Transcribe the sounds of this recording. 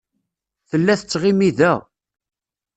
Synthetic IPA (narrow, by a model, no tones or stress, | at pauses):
θəlːæθət͡sːʁimiðæ